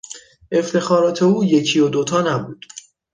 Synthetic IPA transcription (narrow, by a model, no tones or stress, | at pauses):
e̞ft̪ʰe̞xɒːɾɒːt̪ʰe̞uːjecʰijod̪ot̪ʰɒːnæbuːd̪̥